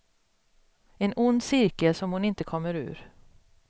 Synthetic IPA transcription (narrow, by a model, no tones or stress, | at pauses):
ɛnʊnd̪sɪɾkəlsɔmhʊnɪnt̪əkʰɔmːəɾʉ̟̰ːɾ